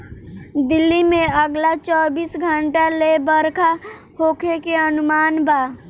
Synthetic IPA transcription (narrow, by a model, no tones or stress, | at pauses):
d̪ɪlːimẽəɡlat͡ʃɔːbiːsɡʱəɳʈalebəɾkʰa | hoːkʰekeənʊmaːnbaː